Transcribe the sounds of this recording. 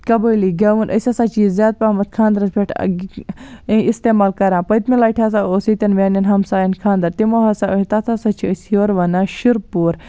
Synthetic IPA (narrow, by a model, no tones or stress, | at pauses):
kɐbəjliɡɐʋunʔɐ̰sʲasaːt͡ʃiːzːjaːd̪̚paːmɐt̪̚kʰãːnd̪ɾɐspʰʲeʈʰ | ist̪eːmaːlkɐɾãːpɐjt̪milaːʈʰʲas̬aoːsit̪ʲɐnʋʲaːnjɐnɦɐmsaːjɐnkʰaːnd̪ɐɾt̪imoɦɐsaoit̪ɐt̪ʰasɐt͡ʃʰiəsjoːɾʋɐnaʃiɾpuːɾ